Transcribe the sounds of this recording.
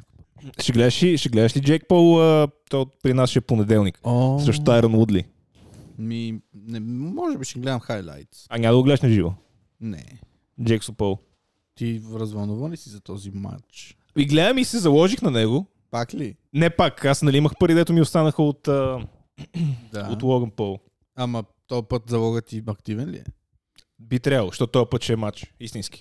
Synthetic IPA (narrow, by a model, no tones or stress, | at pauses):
ʃɛɡlɛd̪əʃiʃɛɡlɛd̪əʃlid͡ʒɛk̚pɔlˠət̪ɔjpɾinasʃɛponɛd̪ɛlˠnikɔsɾɛʃt̪ot̪aɛɾɐnud̪lḭ | minɛmɔʒɛbiʃɛɡlɛd̪ɐmxajlˠa̰jt̪ɐɲʲad̪əɡoɡlɛd̪əʃnɐʒivo̰ | nɛ̰ | d͡ʒɛksopɔlˠ | t̪iɾɐzvɐnuvɐnisizɐt̪ɔzima̰t͡ʃ | iɡlɛd̪əmisɛzɐlˠɔʒixnɐnɛɡo | pakli | nɛpakasnɐliiməxpɐɾid̪ɛt̪ʊmiʊst̪anəxəot̪ə | d̪aot̪lˠɔɡənpolˠ | amɐ | t̪ɔpɤt̪zɐlˠɔɡət̪iɐkt̪ivɛnlḭɛ̰ | bit̪ɾʲabəlˠʊʃt̪ɔtt̪ɔɐpət̪t͡ʃɛːmat͡ʃist̪inski̥